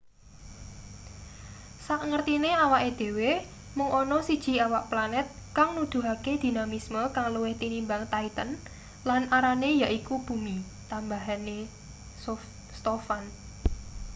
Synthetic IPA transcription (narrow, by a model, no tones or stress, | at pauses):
saʔŋərt̪ineawaʔed̪̥e̤we | mʊŋʔɔnɔsid̥ʒ̥i̤awaʔplanɛt̪̚ | kaŋnud̪̥ṳɦaked̪̥i̤namisməkaŋluwɪht̪inimbaŋt̪ait̪ən | lanaɾanejaʔikub̥ṳmi | t̪ambaɦane | st̪ofan